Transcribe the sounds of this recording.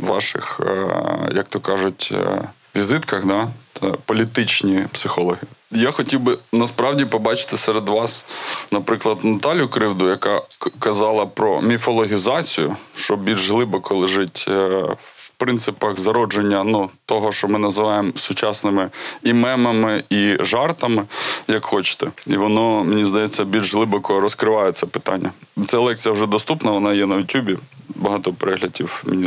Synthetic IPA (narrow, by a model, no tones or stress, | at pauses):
ʋɑ̰ʃɪ̰x | jɐk̚t̪ɔkɑʒʊtʲ | ʋʲizɪt̪kɐxd̪ɑpɔlʲit̪ɪt͡ʃnʲipsɪxɔlˠɔɦʲijaxɔtʲiwbɪnɐspɾɑwdʲipɔbɑt͡ʃɪ̥t̪ɪsɛɾed̪ʋɑsnɐpɾɪklˠɐd̪nɐt̪ɑlʲjʊkɾɪwd̪ʊjɐkɑkɐzɑlˠɐpɾɔmʲifɔlˠɔɦʲizɑt͡sʲijʊ̰ʃt͡ʃɔbʲilʲʒɦlˠɪbɔkɔlˠɪʒɪtʲ | wpɾɪnt̪sɪpɐxzɐɾɔd͡ʒenʲːɐnut̪ɔɦɔʃt͡ʃɔmɪnɐzɪʋɑjemsʊt͡ʃɑsnɪmɪimɛmɐmɪiʒɑrt̪ɐmɪjɐkxɔt͡ʃɪ̥t̪ɛiʋɔnɔmɪnʲizd̪ɐjɛt͡sʲːɐbʲilʲʒɦlˠɪbɔkɔɾɔskɾɪʋɑjɛt̪sɛpɪ̥t̪ɑ̰nʲːɐ | t̪t͡sʲalˠɛk̚t͡sʲijɐwʒɛd̪ɔst̪upnɐʋɔnɑjɛnɐjʊtʲjubʲibɐɦɑt̪ɔpeɾɛɦlʲɐdʲiwmʲi